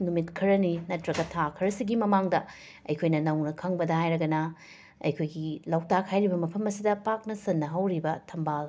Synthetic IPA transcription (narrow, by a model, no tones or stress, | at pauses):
numitkʰɐɾɐninɐtɾɐɡɐtʰakʰɐɾɐsiɡimɐmaŋdɐ | ɐ̰jkʰojnɐnɐwnɐkʰɐŋbɐdɐhajɾɐɡɐnɐ | ɐ̰jkʰojɡilawtakʰhajɾibɐmɐpʰɐmɐsidɐpak̚nɐsɐnːɐɦɐwɾibɐtʰɐmbal